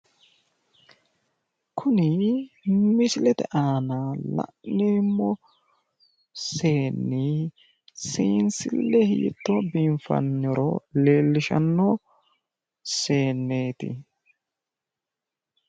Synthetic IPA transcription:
kʰʊnɪ | mɪsɪlɛt̪ɛʔaːnaːlɐ̰ʔnneːmːɔ | seːnːi | siːnsɪlːɛhḭːt̪ːoːbiːɱfɐ̰nːɪɾo̰ːleːlːɪʃɐ̰nːoː | se̞ːnːeːt̪ɪ̰

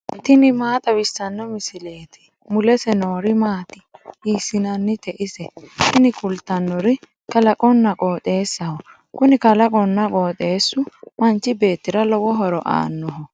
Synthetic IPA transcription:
t̪ɪnɪmaːt̪ʼɐwɪsːɐnːɔmɪsɪleːt̪ɪ̥ | mʊlɛsɛno̞ːɾɪmaːt̪ɪ̥iːsɪnɐnːɪt̪ɛʔɪsɛt̪ɪnɪkʊlt̪ːɐnːɔɾɪ | kɐlɐkʼɔnːɐkʼoːt̪ʼe̞ːsːɐhɔ | kʊnɪkɐlɐkʼɔnːɐkʼo̞ːt̪ʼe̞ːsːʊmɐnt͡ʃːɪbe̞ːt̪ːɪɾɐlɔwɔɦɔɾɔʔa̰ːnːɔɦɔ

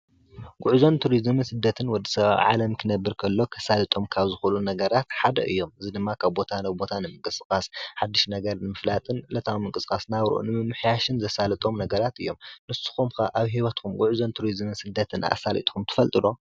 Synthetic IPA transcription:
ɡ̥ʊʕzo̞nt̪ʰuɾizmɨnsɨd̪ːɐt̪ʰɨnwɔd̪ːi̥sɐβa̰βʕa̰lɐmkʰɨnɐbːɨɾkʰɐlːo̞kʰɐsalɨt̪ʼo̞mkʰaβzɨxulunɐɡɐɾat̪ħad̪ɐ̰ʔɨ̰jːo̞mɨzid̪ɨmːakʰaβbo̞t̪ʰanabo̞t̪ʰanɨmɨŋkʼɨskʼasħad̪ːiʃnɐɡɐɾnɨmɨflat̪ʼɨnlɐt̪ʰawmɨŋkʼɨsɨkʼasnaβɾɨ̰ʔṵnɨmɨmːɨħjaʃɨnzɐsalɨt̪ʼo̞mnɐɡɐɾat̪ɨjːomnɨsu̥xumkaʔaβɦiwɐt̪kʰumɡuʕuzont̪ʰuɾizmɨnsɨd̪ːɐt̪ʰɨna̰salḭt̪ʼxumt̪ʰɨ̥fɐlt̪ʼɨlo̞

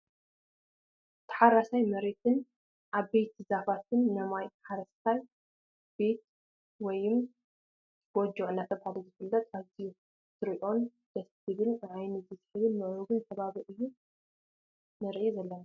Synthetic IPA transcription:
t̪ʰɐ̥ħaɾasajmɐɾe̞t̪ʰɨn | ʔaβbe̞t̪zafat̪ʰɨnːɐmajħaɾɐst̪ʰaj | b̥e̞t̪̚ | wɔjɨm | b̥ɔd͡ʒuʕunat̪ʰɐβaβɨzɨfɨlːɐt̪ʼaβziju | t̪ʰɨɾiʔo̞n | d̪̥ɐst̪ʰɨβɨlɨʕajnɨzɨsħɨβɨnmɨʔɾuɡɨnt̪ʰɐβaβiʔɨjːu | nɨɾʔizɐlːɐna

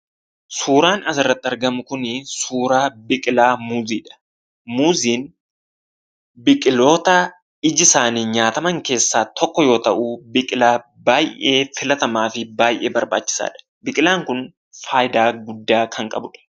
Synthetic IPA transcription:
suːɾaːnɐsɪrːɐt̪ːɪɐɾɡɐmʊkʊnɪsuːɾaːbɪkʼɪlaːmuːziːᶑɐ̥ | muːziːn | bɪkʼɪlo̞ːt̪ɐ | ɪd͡ʒɪsaːniːɲaːt̪ɐmɐŋke̞ːsːaːt̪ɔkːɔjo̞ːt̪ɐʔuːbɪkʼɪlaː | baːjʔe̞ːfɪlɐt̪ɐmaːfɪbaːjʔe̞ːbɐɾba̰ːt͡ʃːɪ̥sa̰ːᶑɐ̥ | bɪkʼɪlaːŋkʊn | faːjɪd̪aːɡʊd̪ːaːkʰɐŋkʼɐ̰bʊᶑɐ̥

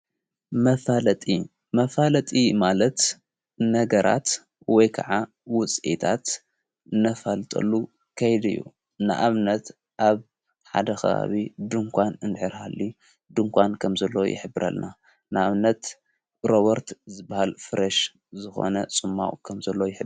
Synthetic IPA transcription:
mɐfalɐt̪ʼi | mɐfalɐt̪ʼimalɐt̪ | nɐɡɐɾʔa̰t̪ | wɔjkʰa̰ʕa | wʊt͡sʼit̪ʰat̪ | ɨnɐfalt̪ʼɐ̰lːu | kʰɐjd̪ɨjːṵ | nɨ̰ʔaβnɐt̪ | ʔaβ | ħa̰d̪ɐxɐ̰βa̰βid̪ɨŋkʷʰanɨnd̪ħɨɾhalːi | d̪ɨŋkʷʰankʰɐmzɐlːojɪ̰ħɨbːɨɾɐ̰lna | nɨaβnɐt̪ | ɾoβɐɾt̪zɨbːahalfɨɾɐʃ | zɨxo̞̰nɐsʼɨmːa̰wkʰɐmzɐlːojɪħɨb

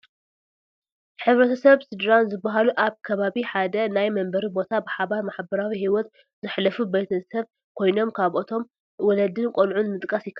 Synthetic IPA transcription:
ħɨβɾɐt̪ʰɐsɐβsɨd̪ɾanzɨbːaɦaluʔaβkʰɐβaβiħad̪ɐnajmɐmbɐɾibo̞t̪ʰabɨħaβaɾmaħbɐɾawiɦiwɔt̪ | z̥ɨħlɐfubɐjt̪ʰɐsɐβ | kʰo̞jno̞mkʰaβʔot̪ʰo̞m | wɔlɐd̪ɨnkʼonʕunmɨt̪ʼkʼɐsjɪkʰːɐ

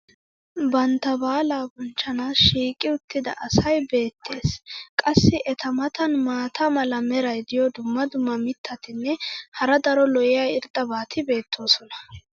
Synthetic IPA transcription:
bɐnt̪ːɐbaːlaːbʊnt͡ʃːɐnaːsʃiːkʼɪʊt̪ːɪd̪ɐ̰ʔɐsɐjbe̞ːt̪ʰːe̞ːskʼɐsːɪʔɛt̪ɐmɐt̪ɐnmaːt̪ʰɐmɐlɐmɛɾɐjd̪ɪjɔd̪ʊmːɐd̪ʊmːɐmɪt̪ʰːɐt̪ɪnːɛhɐɾɐd̪ɐɾɔlɔjɪjɐjɪɾd̪ʼɐbaːt̪ʰɪbe̞ːt̪ʰːo̞ːsɔnɐ̥

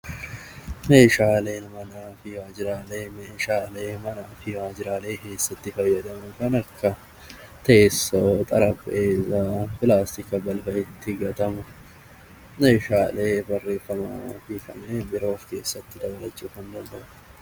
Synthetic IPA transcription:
me̞ːʃaːle̞ːnmɐnaːfɪwaːd͡ʒɪɾaːle̞ːmeːʃaːle̞ːmɐnaːfɪwaːd͡ʒɪɾaːle̞ːke̞ːsːɐt̪ːɪfɐjːɐd̪ɐmʊkɐnɐkʰːɐ | t̪ɐesːɐt̪ʼɐɾɐbʔeːzaːpɪlaːst̪ɪkɐbɐlfɐʔɪt̪ʰːɪɡɐt̪ɐmɐ | me̞ːʃaːle̞ːbɐrːe̞ːfːɐmɐfɪkɐ̰nebɪɾo̞ːfke̞ːsːɐt̪ːɪd̪ɐbɐlɐt͡ʃʼːʊfɐnd̪ɐnd̪ɐʔʊ

